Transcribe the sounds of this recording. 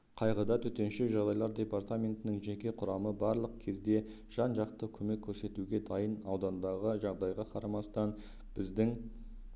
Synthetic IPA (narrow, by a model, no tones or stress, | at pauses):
qʰɑjʁəd̪ɑt̪ʰɵt̪e̞nʃɪʒɑʁd̪ɑjlˠɑɾd̪ʲe̞paɾt̪amʲe̞nt̪ɪnɪŋʒe̞kʲe̞qʰʊɾɑməbɑɾlˠəq̚kʲʰe̞zd̪e̞ | ʒ̥ɑnʒɑqt̪əkʲʰɵme̞kʲʰːɵɾse̞t̪uɡʲe̞d̪ɑjənɑwd̪ɑnd̪ɑʁəʒɑʁd̪ɑjʁɑqʰɑɾɑmɑst̪ɑn | b̥ɪzd̪ɪŋ